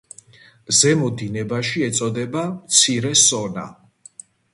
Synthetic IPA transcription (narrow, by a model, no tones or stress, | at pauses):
zɛmɔd̪inɛbaʃiɛt̪sʼɔd̪ɛbamt̪sʰiɾɛsɔna̰